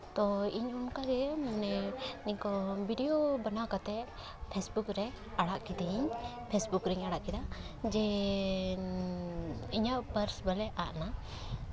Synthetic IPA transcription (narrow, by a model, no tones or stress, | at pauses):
t̪ɔiɲunkaɡɛmanɛniɲkɔbʱiɖɛjobanakat̪ɛ | pʰɛsbukɾɛ | aɽaʔkid̪ɛiɲ | pʰesbukɾɛɲaɽaʔkɛd̪ad͡ʒɛ | iɲaʔpəɾsbəlɛʔaʔna